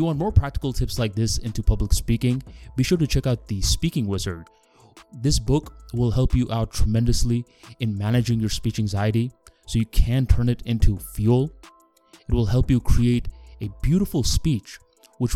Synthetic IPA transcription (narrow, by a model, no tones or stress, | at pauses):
ɨwɑ̃nmɔɹpʰɹ̥æk̚tɨ̥kl̩ˠtʰɪpslaɪk̚ðɪsɪ̃ntupʰʌbləkspikɪ̃ŋb̥iʃʊɹɾɨt͡ʃʰɛkaʊt̪̚ðɨspikɪ̃ŋwɪzə̰˞d̚ | ðɪsb̥ʊkwɪlˠɦɛlˠpjɨʔaʊtʰɹ̥əmɛ̃ndɨsli | ɨ̃nmænɨd͡ʒɪ̃ŋjə˞spit͡ʃæ̃ŋzaɪɨɾi | soʊjɨkʰæ̃ntʰɜ̃˞nɨɾɪ̃ntʰufjulˠ | ɨt̚wəlˠɦɛlˠpjɨkʰɹ̥ieɪɾɨbjʉɾəfl̩ˠspit͡ʃ | wət͡ʃ